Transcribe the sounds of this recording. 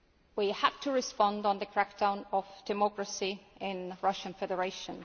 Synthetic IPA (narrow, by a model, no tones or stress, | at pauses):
wihaftʰəɹɪspɑ̃ndn̩ðəkʰɹ̥ak̚d̥ãʊ̃nəvd̥ɪmɔkɹəsiɪ̃nɹʌʃə̃nfɛdə˞eɪʃə̃n